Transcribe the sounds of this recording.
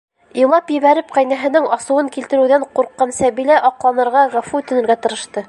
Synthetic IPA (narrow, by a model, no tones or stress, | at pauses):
ilˠɑpjɘ̆βæɾɘp̚qæjnæɦɘ̆nɘŋɑsɤ̆wɤŋkilt̪ɘ̆ɾɘwðæɴquɾqːɑnsæβilæʔɑqlˠɑnɤ̆ɾʁɑʁæfut̪ɵ̆nɘ̆ɾɡæt̪ɤ̆ɾɤ̆ʃt̪ɤ